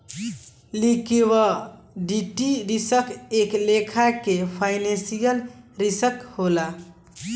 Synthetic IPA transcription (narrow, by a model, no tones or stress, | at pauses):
likewə | ɖiʈiɾisəkʰeklekʰakepʰaɪnẽsijəlɾisəkhola